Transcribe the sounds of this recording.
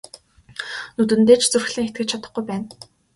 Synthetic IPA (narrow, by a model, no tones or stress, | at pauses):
nɵt̪̬ɘ̆nt̪eːt͡ɕʰt͡sɵrxɮiːŋxet̪ɡɘ̆t͡ɕʰat̪ə̆χɡujpæːn